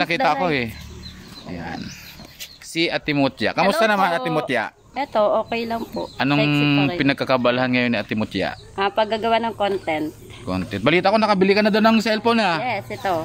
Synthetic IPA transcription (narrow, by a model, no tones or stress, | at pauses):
nɐkiːt̪ɐʔɐkoɛ | ɐja̰n | siɐt̪ɪmot̪ja̰kɐmʊst̪anɐmanɐt̪ɪmot̪ja̰ | ɛt̪oʔoːkɛjlɐŋpo̰ʔʔɐnoŋpɪnɐɡ̚kɐkɐbalhanŋɐjo̞nːɪʔɐt̪ɪmot̪ja̰ʔʔapɐɡːaɡɐwanɐŋkont̪ɛnt̪̚ | ko̰nt̪ɛnt̪̚bɐliːt̪ɐʔkonɐkɐbɪliːkɐnːɐd̪onɐŋsɛlfonhajɛsɛt̪o